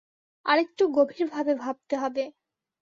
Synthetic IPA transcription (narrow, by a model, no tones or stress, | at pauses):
a̰ɾek̚ʈuɡobʱiɾbʱabebʱab̚t̪eɦɔbe